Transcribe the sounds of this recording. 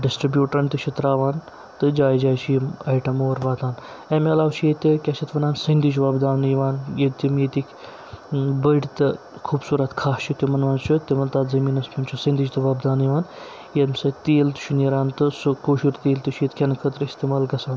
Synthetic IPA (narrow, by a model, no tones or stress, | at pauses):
ɖisʈɾibjuːʈɾɐnt̪iʃʰit̪ɾaːʋaːn | t̪ɨd͡ʒaːjd͡ʒaːt͡ʃʰjimɐjʈɐmoːɾʋaːt̪aːn | ɐmelaːwt͡ʃʰjet̪ʲikʲat͡ʃʰit̪ʋɐnaːnsɐnd̪it͡ʃʋaːbd̪aːnjiʋaːnjet̪imjet̪ikʲ | bəɽit̪ɨ | kʰuːbsuːɾɐt̪kʰaːst͡ʃut̪ʲimɐnʋaːnt͡ʃʰut̪ʲːiʋɐnt̪aːt̪zɐmiːnɐsmʰɐnt͡ʃʰusɐ̃nd̪id͡ʒt̪ɨʋaːbd̪aːnjiʋaːn | jed̪msɐt̪eːlt̪u̥ʃʰuniɾaːnt̪ɨsukʰoːʃiɾt̪eːlt̪ɨʃʰit̪kʰʲɐnkʰɐt̪ɾist̪eːmaːlɡɐsaːn